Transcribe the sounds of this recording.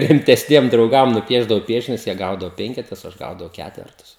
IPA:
rʲɪmʲtʲɛsʲˈnʲiɛm drɐʊˈɡɐm nʊˈpʲiɛʒdɐʋɐʊ ˈpʲiɛʃʲɪnʲʊs jiɛ ˈɡɐʊdɐʋoː ˈpʲɛŋʲkʲɛtʊs oː ˈɐʃ ˈɡɐʊdɐʋɐʊ ˈkʲætʲʋʲɛrtʊs

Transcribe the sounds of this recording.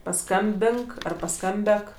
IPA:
pɐˈskɐmʲbʲɪŋk ˈɐr pɐˈskɐmʲbʲɛk

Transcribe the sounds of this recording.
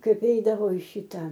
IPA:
ˈkɐɪp ˈɛɪdɐʋoː ɪ ˈʃʲɪtɐ

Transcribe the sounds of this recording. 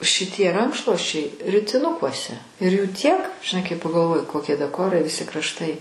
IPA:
ʃʲɪˈtʲiɛ ˈrɐŋkʃlˠuɔsʲt͡ʃʲɛɪ rʲɪtʲɪˈnʊkuɔsʲɛ ɪr juː ˈtʲiɛk ʒʲɪˈnɐɪ kɐɪ pɐɡɐlˠˈʋoːjʊ koːˈkʲiɛ dɐˈkoːrɐɪ ʋʲɪˈsʲɪ krɐʃˈtɐɪ

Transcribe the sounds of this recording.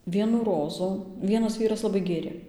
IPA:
ˈʋʲiɛnuː ˈroːzuː ˈʋʲiɛnɐs ˈʋʲiːrɐs lˠɐˈbɐɪ ˈɡʲeːrʲeː

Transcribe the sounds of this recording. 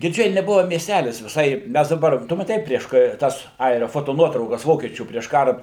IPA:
ɡʲɪrʲˈd͡ʒʲɛɪ nʲɛˈbʊʋɐ mʲiɛsʲˈtʲælʲɪs ʋʲɪˈsɐɪ ˈmʲæs dɐˈbɐr ˈtʊ mɐˈtʲɛɪ ˈpʲrʲiɛʃ kɐ ˈtɐs ˈɐɪrʲɛ ˌfoːtoːˈnuɔtrɐʊkɐs ˈʋoːkʲiɛt͡ʃʲuː pʲrʲiɛʃ ˈkɑːrɐ

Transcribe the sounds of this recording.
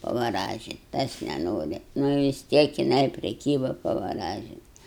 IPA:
pɐʋɐˈrɑːʒʲɪt ˈtɐs nʲɛˈnoːrʲɪ nʊ ʋʲɪs ˈtʲiɛk jɪˈnɐɪ pʲrʲɪˈkʲiːbɐ pɐʋɐˈrɑːʒʲɪnt

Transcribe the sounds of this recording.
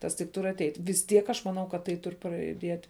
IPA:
ˈtɐs tʲɪk ˈtʊr ɐtʲɛɪtʲ ʋʲɪs ˈtʲiɛk ˈɐʃ mɐˈnɐʊ kɐt ˈtɐɪ ˈtʊrʲɪ prɐjʊˈdʲiɛtʲ

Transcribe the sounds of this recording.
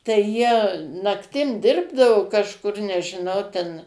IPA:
tɐɪ jiɛ nɐkˈtʲɪm ˈdʲɪrbdɐʋoː kɐʃˈkʊr nʲɛʒʲɪˈnɐʊ tʲɛn

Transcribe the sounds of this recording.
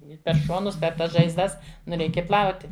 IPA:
ˈɪ pʲɛr ˈʃoːnʊs pʲɛr ˈtɐs ʒɐɪzˈdɐs nʊ ˈrʲɛɪkʲɛ ˈplˠɐʊtʲɪ

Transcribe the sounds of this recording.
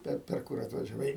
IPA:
ˈpʲɛr pʲɛr ˈkʊr ɐtʋɐʒʲɛˈʋɐɪ

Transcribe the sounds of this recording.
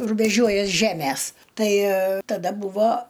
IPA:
rʊbʲɛˈʒʲuɔjɛs ˈʒʲæːmʲɛs ˈtɐɪ tɐˈdɐ ˈbuːʋoː

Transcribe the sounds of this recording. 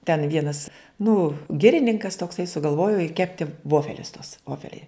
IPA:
tʲɛn ˈʋʲiɛnɐs nʊ ˈɡʲɪrʲɪnʲɪŋkɐs toːkˈsɐɪ sʊɡɐlˠˈʋoːjoː ɪ ˈkʲæːpʲtʲɪ ˈʋoːfʲɛlʲʊs tuɔs ˈʋoːfʲɛlʲɛɪ

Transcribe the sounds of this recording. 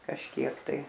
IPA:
kɐʃʲˈkʲiɛk tɐɪ

